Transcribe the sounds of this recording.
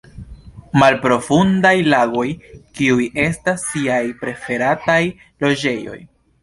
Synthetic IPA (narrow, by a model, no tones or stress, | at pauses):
malpɾo̞fundajlaɡo̞jkiujʔe̞stasːiajpɾe̞fe̞ɾataj | lo̞d͡ʒe̞jo̞̰j